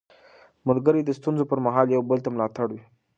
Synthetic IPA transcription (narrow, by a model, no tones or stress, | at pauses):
mʊlɡəɾed̪əst̪unzopəɾmaɦɑljawbəlt̪amlɑt̪aɽwi